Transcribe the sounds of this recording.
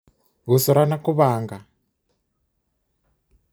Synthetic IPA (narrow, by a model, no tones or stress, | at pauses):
βusɔɾanakuβaːŋɡa